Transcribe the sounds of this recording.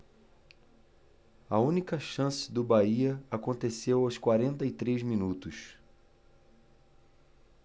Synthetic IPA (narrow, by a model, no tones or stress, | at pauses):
ɐũnikɐʃɐ̃sɪ̥d̪ʊbaiɐakõnt̪esewawskwaɾẽnt̪ɐit̪ɾezmĩnut̪ʊs